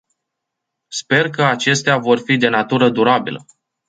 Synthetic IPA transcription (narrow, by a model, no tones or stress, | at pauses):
spe̞rkəat͡ʃe̞st̪eavo̞rfid̪e̞nat̪uɾəd̪uɾabilə̰